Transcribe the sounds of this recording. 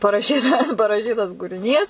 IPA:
pɐrɐˈʃʲiːtɐs pɐrɐˈʃʲiːtɐs kuːrʲɪˈnʲiːs

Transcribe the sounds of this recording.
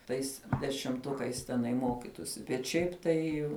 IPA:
tɐɪs dʲɛʃʲɪmˈtʊkɐɪs tʲɛˈnɐɪ ˈmoːkʲɪtʊsʲɪ bʲɛt ˈʃʲɛɪp ˈtɐɪ

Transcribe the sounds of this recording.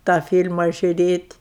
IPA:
tɑː fʲiːlʲmɐ ʒʲʊˈrʲeːtʲ

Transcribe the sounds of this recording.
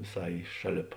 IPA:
ʋʲɪˈsɐɪ ˈʃɑːˌlʲeːp

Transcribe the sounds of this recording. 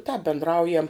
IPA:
tɑːp bʲɪndˈrɐʊjɛm

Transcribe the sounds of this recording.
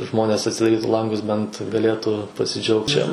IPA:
ˈʒmoːnʲeːs ɐtʲsʲɪdɐˈrʲiːtʊ ˈlˠɐŋɡʊs bʲɛnt ɡɐˈlʲeːtuː pɐsʲɪˈd͡ʒʲɛʊkt t͡ʃʲɛ

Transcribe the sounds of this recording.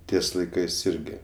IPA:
ˈtʲiɛs lˠɐɪˈkɜs ˈɪrʲɡʲɪ

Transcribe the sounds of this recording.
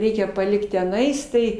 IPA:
ˈrʲɛɪkʲɛ pɐˈlʲɪkt tʲɛˈnɐɪs tɐɪ

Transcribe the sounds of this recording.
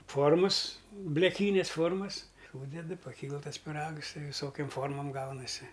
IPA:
ˈfoːrmɐs bʲlʲɛˈkʲiːnʲɛs ˈfoːrmɐs ˈsuːdʲɛdɨ pɐˈkʲiːlˠ ˈtɐs pʲɪˈrɐks ˈtɐɪ ʋʲɪˈsoːkʲoːm ˈfoːrmoːm ˈɡɐʊnɐsʲɪ

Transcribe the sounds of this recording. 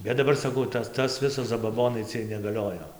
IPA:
ˈbʲɛt dɐˈbɐr sɐˈkɐʊ ˈtɐs tɐs ˈʋʲɪsɐs zɐbɐˈboːnɐɪ ˈt͡sʲiɛj nʲɛɡɐˈlʲoːjoː

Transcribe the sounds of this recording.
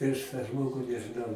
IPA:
pʲrʲiɛʃ tɑː ˈʒmoːɡʊ nʲɛʒɨˈnɐʊ

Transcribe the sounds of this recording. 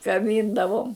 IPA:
kɐˈbʲiːndɐʋoːm

